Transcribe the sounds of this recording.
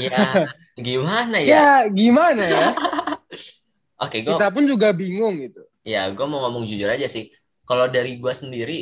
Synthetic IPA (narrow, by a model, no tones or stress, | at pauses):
ja | ɡimanajjaɡimanaa | ʔokeɡuit̪ap̬ʊnd͡ʒuɡabiŋʊŋɡit̪u | jaɡuamoŋomɔŋd͡ʒud͡ʒʊɾad͡ʒasɪh | kalodaɾiɡuasəndiɾi